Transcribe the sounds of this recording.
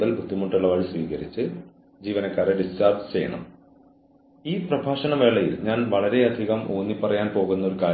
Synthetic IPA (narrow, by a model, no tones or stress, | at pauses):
ðɐlbʱud̪ʱːimuʈːuɭːɐʋɐɻisʋiːɣɐɾit͡ɕːɨ | d͡ʑiːʋɐnɐkːaːɾeɖist͡ɕaːrd͡ʑt͡ɕe̞jɐ̰ɳɐ̰m | iːprɐbʱaːʂɐnɐʋe̞ːɭːɐjḭlɲaːnʋɐɭɐɾe̞ɐd̪ʱiɣɐmʔoːnːipːɐrɐjaːnpo̞ːɣunːɐo̞ɾukaː